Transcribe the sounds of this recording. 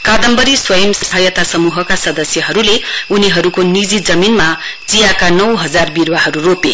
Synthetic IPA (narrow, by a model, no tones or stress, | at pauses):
kad̪ʌmbʌɾiswʌjʌmsʌsɦajʌt̪asʌmuɦʌkasʌd̪ʌsjʌɦʌɾuleuniɦʌɾukonid͡zid͡zʌminmad͡zijakanʌwɦʌd͡zarbirwaɦʌɾurope